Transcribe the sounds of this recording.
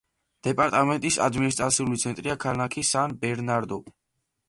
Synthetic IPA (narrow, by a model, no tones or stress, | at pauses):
d̪̥ɛpʼaɾt̪ʼamɛnt̪ʼisa̰d̪minis̬t̪ʼɾat̪sʰiulit̪sʰɛnt̪ʼɾiakʰanakʰisanbɛɾnaɾd̪ɔ